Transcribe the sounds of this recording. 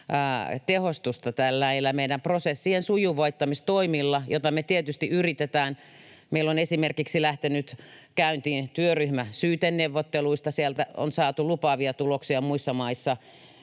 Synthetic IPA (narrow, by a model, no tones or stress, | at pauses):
t̪ehost̪ust̪ɑt̪ælːæilːæmeidæmprosesːiensujuʋɑit̪ːɑmist̪oimilːɑjot̪ɑmet̪iet̪yst̪iʔyrit̪et̪æːn | meilːonesimerkiksilæht̪enyt̪kæynt̪iːnt̪yøryhmæsyːt̪enneʋːot̪ːeluist̪ɑsiælt̪æo̰nsɑːt̪ulupɑʋiɑt̪uloksiɑmuisːɑmɑisːɑ